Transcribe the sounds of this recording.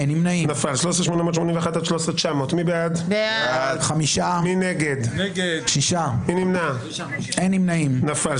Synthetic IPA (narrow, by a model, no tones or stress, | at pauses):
enimnainafalʃloseʃmonamot̪ʃmonĩmveaχat̪alʃlosʁet͡ʃamoːt̪mibead̪beaadχamiʃamineɡed̪ɡʃiʃaminimna | enimnaimnafal